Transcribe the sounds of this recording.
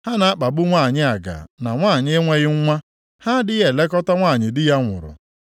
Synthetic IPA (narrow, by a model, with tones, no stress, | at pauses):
ha˦na˨˦a˦k͡pa˨bʊ˦ŋʷa˦˨ɲɪ˦a˨ɡa̰˨na˨ŋʷaː˦˨ɲ˦e˦ŋʷe˦ɣɪ˦ŋ̩˦ŋʷa˦ | ha˦dɪ˦ɣe˨le˦kɔ˦ta˦ŋʷaː˦˨ɲɪ˨dɪ˦ja˦ŋʷʊ̰˨ɾʊ̰˨